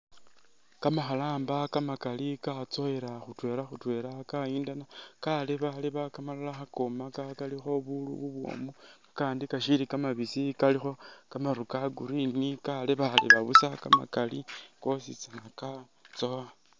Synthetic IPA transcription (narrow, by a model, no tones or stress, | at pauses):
kamaxalaːmbakamakalikat͡so̞eɾaxutwe̞ːɾaxutwe̞ːɾakaiːndanakaleβaliβakamalalaxako̞makakalixo̞βulṵβuβwo̞̰ːmu | kaːndikaʃilikamaβisikalixo̞kamaɾukaɡuɾinikaleβalḭβaβusakama̰kaliko̞sḭt͡sanaka | t͡so̞a